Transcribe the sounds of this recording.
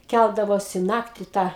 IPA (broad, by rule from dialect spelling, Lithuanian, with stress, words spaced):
ˈkʲælˠdɐʋoːsʲɪ ˈnɑːktʲɪ ˈtɑː